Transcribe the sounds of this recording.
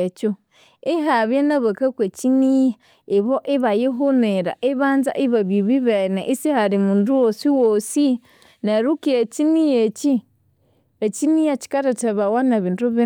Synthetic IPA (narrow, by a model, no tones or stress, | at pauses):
et͡ʃu | ɪɦaβjenaβakakwet͡ʃinija | eβɔʔiβajiɦuneɾa̰ʔiβanza̰ʔiβaβiβiβɛnɛʔisihaɾimunduwosiwosi | naɾukiet͡ʃinijet͡ʃi | et͡ʃinijat͡ʃi̥kaɾataβawanaβintuβi